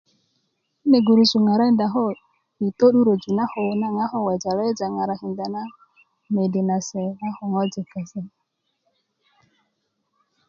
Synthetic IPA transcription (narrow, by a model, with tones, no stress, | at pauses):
i˦ne˨ɡu˨ɾu˨su˨ŋa˨ɾa˦ɪ˦n˦da˨ɦɔ˦ | i˨to˦ɗu˦ɾo˨d͡ʒu˨na˦hʊ˨na˦ŋa˦ɦɔ˦˨wɛ˨d͡ʒa˨la˦d͡ʒa˨ŋa˨ɾa˨ɦɪ˨nda˨na˦ | me˨de˨na˨sɛ˨a˦hʊ˨ŋɔ˦d͡ʒɪ˨ka˨sɛ˨